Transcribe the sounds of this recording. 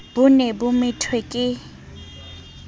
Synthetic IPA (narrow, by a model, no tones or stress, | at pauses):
b̥ʊnɛbʊmɪtʰwekʼɪ